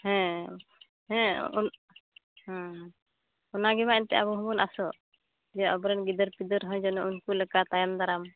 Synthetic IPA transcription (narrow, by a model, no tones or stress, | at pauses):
hɛ̃ | hɛ̃n | h | ɔnaɡɛmaɛnt̪ɛabɔɦũmunasɔ | d͡ʒɛɔbɾɛnɡid̪əɾpid̪əɾɦɔ̃jd͡ʒɔnɔunkulɛkat̪ajand̪aɾam